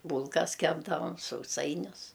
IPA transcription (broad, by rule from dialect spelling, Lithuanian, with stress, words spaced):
ˈbuːlˠkɐs ˈkʲæːbdɐʋɐm sɐʊˈsɐɪnʲʊs